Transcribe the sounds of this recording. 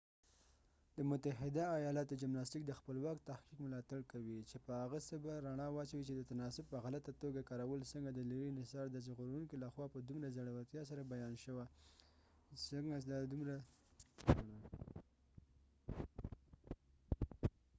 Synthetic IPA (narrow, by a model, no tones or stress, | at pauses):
d̪əmʊt̪aɦɪd̪aːjɑlat̪̚d̪əd͡ʒamnɑstik̚d̪əxpəlwɑkt̪ahkikmɪlɑt̪aɽkawit͡ʃepəhaɣəsəbaɾaɳɑwɑt͡ʃawit͡ʃed̪ət̪anɑsʊb̚pəɣalat̪at̪oɡakɑɾawəlsəŋɡad̪əliɾinɪsɑɾd̪at͡ʃɣoɾuŋkilaxwɑpəd̪umɾazaɽawat̪jɑs̬aɾabajɑnʃəwa | səŋɡad̪ɑd̪umɾa | na